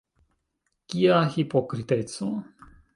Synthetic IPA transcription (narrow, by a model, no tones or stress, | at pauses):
kiaxipokɾit̪et̪su